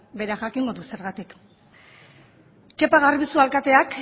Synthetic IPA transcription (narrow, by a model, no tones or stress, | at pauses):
be̞ɾaʝakiŋɡo̞ðuse̞ɾɣat̪ik | e̞paɣ̞arβisualkat̪e̞ak